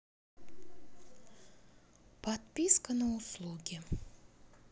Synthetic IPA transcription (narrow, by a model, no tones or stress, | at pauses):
pɐt̪̚pʲiskənɨʊslˠuɡʲɪ